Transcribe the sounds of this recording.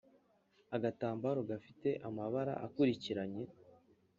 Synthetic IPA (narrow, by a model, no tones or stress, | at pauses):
aɡataːmbaːɾo̞ɡafite̞ʔamaβaɾa̰ʔakuɾiciɾaɲe̞